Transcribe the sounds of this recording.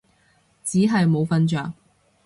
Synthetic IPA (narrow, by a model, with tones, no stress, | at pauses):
t͡siː˨˥ɦɐ˨jmo˨˧wfɐ˧nt͡ʃœː˨ŋ